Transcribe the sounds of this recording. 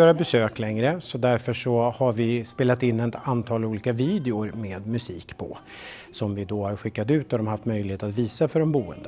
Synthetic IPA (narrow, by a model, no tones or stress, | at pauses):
øːɾabɛsøːklɛŋɾəsɔd̪æɾfœʂɔhaɾvɪspeːlat̪ɪnːɛt̪ant̪ʰɑːluːliːkaviːd̪ɪʊɾmeːd̪mɵsiːkpʰɔ̰ | sɔmvɪd̪ɔhaɾɧɪkːad̪ʉ̟ːt̪ɔad̪ɔmhaft̪mœjlɪheːt̪at̪viːsafœɾɛmbuːə̰nd̪ə